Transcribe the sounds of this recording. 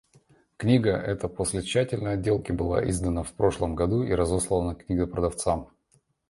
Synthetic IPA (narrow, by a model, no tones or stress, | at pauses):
knʲiɡəʔɛt̪əpo̞sʲlʲɪt͡ɕːætʲɪlʲnəjɐdʲːe̞lˠkʲɪbɨlˠa̰ʔizd̪ənəfpɾo̞ʂlˠəmɡɐd̪uiɾɐzoslˠəvənəknʲiɡəpɾəd̪ɐft̪sam